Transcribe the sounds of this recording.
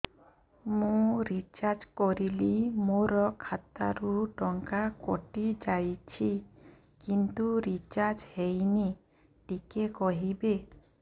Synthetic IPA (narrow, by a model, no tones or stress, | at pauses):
mũɾit͡ʃaɾd͡ʒkɔɾilimoɾɔkʰat̪a̰ɾuɖɔŋkakɔ̰ʈid͡ʒajt͡ʃʰi | kint̪uɾit͡ʃaɾd͡ʒhejni | ʈikekɔɦibe